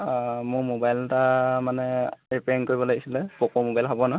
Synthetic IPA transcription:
mʊɹmobajltamanɛɹipɛnkoɹibɔlojɡisilɛpokomobajlpʰabɔnɔ

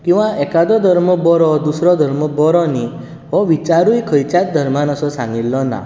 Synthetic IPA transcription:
kĩwãʔekad̪ɔd̪ʱɔɾmɔbɔɾɔd̪usɾɔd̪ʱɔɾmɔbɔɾɔni | ɔʋit͡ʃaɾujkʰəjt͡ʃat̪̚d̪ʱəɾmanɔsɔsãŋɡilːɔna̰

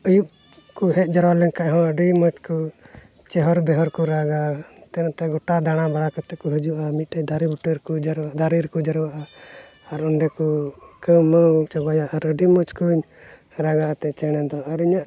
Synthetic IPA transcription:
əjup̚ | kuɦɛt̪̚ˀd͡ʒaɾwalɛnkaʔɦɔ̃əɖimɔt͡ʃku | t͡ʃɛɦɔɾbɛɦɔɾkuɾaɡat̪ɛnat̪ɛɡɔʈad̪aɽ̃abaɽakat̪ɛkɔɦəd͡ʒuʔamit̪̚ʈəd̪ʱaɾibuʈəɾkud͡ʒɾad̪ʱaɾiɾkud͡ʒaɾwaʔaaɾɔɳɖɛkukəmət͡ʃabajaʔaɾəɖimɔt͡ʃkuɲ | ɾaɡaʔat̪ɛt͡ʃɛɽ̃ɛd̪ɔaɾiɲaʔ

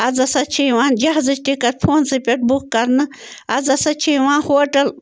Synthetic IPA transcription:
ɐd͡zɐsɐt͡ʃʰiʋãːnd͡ʒɐɦzɨt͡ʃʈikɐɾpʰoːnsɨpʲeʈ̚bukːɐɾnɨ | ɐzɐsɐt͡ʃʰiʋãːnhoːʈɐl

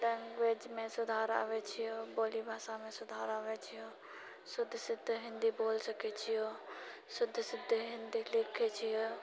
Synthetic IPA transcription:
ɖɐ̃ŋɡʋeːd͡ʒmẽsʊd̪ʱaːɾa̰ːʋet͡ʃʰijoːboːlibʱaːsamẽsʊd̪ʱaːɾaːʋet͡ʃʰijoː | sʊd̪ʱːsɪd̪ʱːɦɪ̃nd̪iboːlsɐkʰet͡ʃʰijoː | sʊd̪ʱːsɪd̪ʱːɦɪ̃nd̪ilɪkʰet͡ʃʰijoː

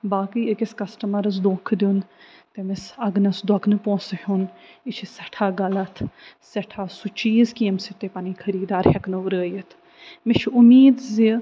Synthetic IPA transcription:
baːkiːəkɪskɐsʈəməɾɐs̬d̪õːkʰd̪int̪emɪsɐɡnɐsd̪wɐknɨpõːshunɪt͡ʃʰisɛʈʰaːɡɐlɐt̪ʰsɛʈʰaːsut͡ʃiːzkiːmsit̪eːpaniːkʰɐɾiːd̪aːɾhɛknɐɾəːjət̪ʰ | mɪt͡ʃʰʊmiːd̪zi

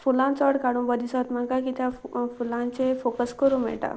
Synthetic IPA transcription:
pʰulãnt͡sɔɽkaɽũbʌd̪isɔt̪mãkakit̪ʰapʰulant͡ʃepʰokəskɔɾũmḛ̃ʈa̰

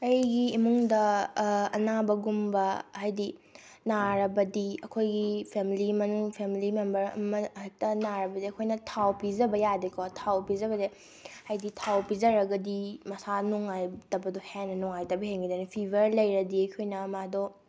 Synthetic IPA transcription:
ɐjɡiːmuŋdɐ | ɐnabɐɡumbɐɦajdi | naɾɐbɐdiɐkʰojɡipʰemilimɐnuŋpʰemilimembɐɾɐ̰mɐk̚tɐnaɾɐbɐdiɐkʰojnɐtʰawpizɐbɐjadekʰɔtʰawpizɐbɐde | hajditʰawpizɐɾɐɡɐdimɐsanuŋajtɐbɐdɔhenɐnɔŋajtɐbiɦeŋɡidɐnipʰibʱɐɾlɐjɾɐdiɐjkʰojnɐmadɔ

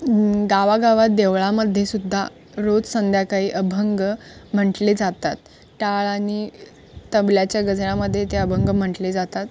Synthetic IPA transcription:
ɡaʋaɡaʋat̪̚d̪eʋɭaməd̪ʱːjesud̪ʱːa̰ | ɾod͡zsənd̪ʱjakaɦiːʔəbʱəŋɡm̤əɳʈled͡zat̪at̪ | ʈaɭañi | t̪əbljat͡ɕjaɡəd͡zɭaməd̪ʱːjet̪eəbʱəŋɡm̤əɳʈled͡zat̪at̪

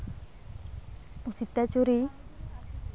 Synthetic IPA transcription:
usit̪ːat͡ʃuɾi

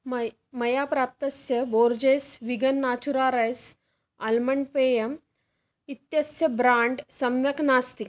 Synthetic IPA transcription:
m | mɐjapɾap̚t̪ɐsjəboɾd͡ʑesʋiɡənːat͡ɕuɾaɾəs | alməɳɖpejəm | it̪jɐsjəbɾaɳɖsɐmʋjɐknast̪ik

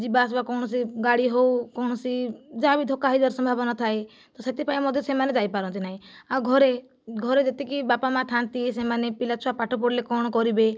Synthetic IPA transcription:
d͡ʒibasbakɔwɳ̃ɔs̬iɡaɽiɦowkɔwɳ̃ɔsid͡ʒabid̪ʱokaɦid͡ʒaɾsɔmbʱabɔnat̪ʰae | t̪ɔset̪ipajmɔd̪ʱjɔsemaned͡ʒajpaɾɔnt̪inaɦĩawɡʱɔɾe | ɡʱɔɾed͡ʒet̪ekibapamãt̪ʰant̪isemanepilat͡ʃʰuapaʈʰɔp̬oɽlekɔɽ̃ɔkɔɾibe

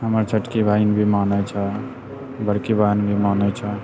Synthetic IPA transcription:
ɦəməɾt͡ʃʰəʈkiʋainbʱimanət͡ʃʰə | bəɽkebajnbʱimanət͡ʃʰə

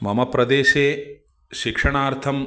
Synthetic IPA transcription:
mɐmɐpɾɐd̪eːʃeː | ʃikʂɐɳaːɾt̪ʰɐm

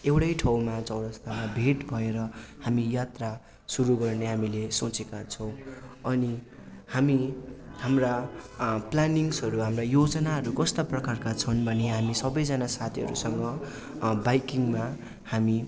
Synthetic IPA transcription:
ewʈʌjʈʰʌwmat͡sʌwɽʌst̪amabʱeʈbʱʌeɾʌhamijat̪ra | suɾuɡʌrneɦamilesot͡sekat͡sʰʌw̃ʌni | hamihamra | planiŋsɦʌɾuɦamrajod͡zʌnaɦʌɾukʌst̪aprʌkarkat͡sʰʌnbʱʌneɦamisʌbʌjd͡zʌnasat̪ʰiɦʌ̰ɾṵsʌŋɡʌ | bajkiŋma | hami

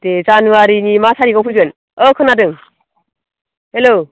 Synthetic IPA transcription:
d̥ezanuwaɾinimasʰaɾiɡɔpʰɯzɯn | ʌkʰɯnadɯŋ | helo

